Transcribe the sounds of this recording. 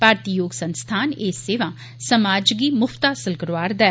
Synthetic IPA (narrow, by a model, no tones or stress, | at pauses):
paːɾt̪iːjoːɡsənst̪ʰaːneːsːeːʋãː | səmaːd͡ʒɡiːmʊpʰt̪aːsəlkəɾʋaːɾd̪ɛː